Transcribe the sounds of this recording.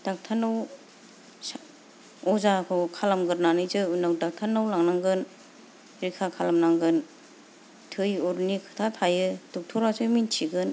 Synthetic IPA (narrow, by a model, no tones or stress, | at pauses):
d̥ak̚tʰanɯw | s | ɔzakʰɯkʰalamɡɯɾnanɯzɯɯnawdak̚tʰanːawlaŋnaŋɡɯn | ɾikʰakʰalamnaŋɡɯn | tʰɯjɔɾnikʰɯ̥tʰatʰajɯduk̚tʰɔɾasʰɯmintʰiɡɯn